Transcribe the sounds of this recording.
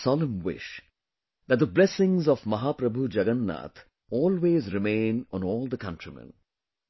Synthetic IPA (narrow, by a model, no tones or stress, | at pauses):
sɔlə̃mwɪ̰ʃ | d̪æʈ̚d̪əblɛsɪ̃ŋzɔʋmɐɦaːpɾəbʱud͡ʒɐɡənːa̰ːt̪ʰ | ɔːlweːzɾɪmẽːnɔ̃nɔːlˠd̪əkʌ̃ntɾimɛ̰̃n